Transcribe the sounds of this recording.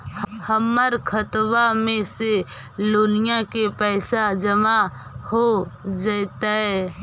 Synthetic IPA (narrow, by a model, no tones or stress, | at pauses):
həmːəɾkʰət̪ʋamẽse | lʊnɪjãkepɛːsad͡ʒəma | hod͡ʒat̪aɦɛː